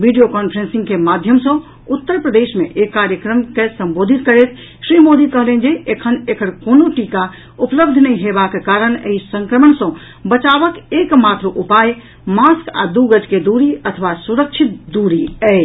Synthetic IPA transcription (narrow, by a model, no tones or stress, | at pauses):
ʋʱiɖijokɔnpʰɾensĩŋɡkemad̪ʱjəmsə̃ | ut̪ːəɾpɾəd̪esmḛʔekːaɾjəkɾəmkesəmbod̪ʱit̪kəɾet̪ʰ | sɾimod̪ikəɦlɛnd͡ʒeekʰənekʰəɽkonoʈika | upləbd̪ʱnəiɦebakekaɾənḛisə̃ŋkɾəməɳsə̃ | bət͡ʃabəkekmat̪ɾəʔupaj | maska̰d̪uɡəd͡ʒked̪uɾiət̪ʰʋasuɾəkt͡ʃʰit̪̚d̪uɾiəj